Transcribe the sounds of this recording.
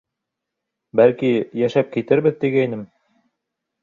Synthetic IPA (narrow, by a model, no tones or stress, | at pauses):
bælkijæʃæp̚kit̪ɘɾβbɘðt̪iɡɘinɘm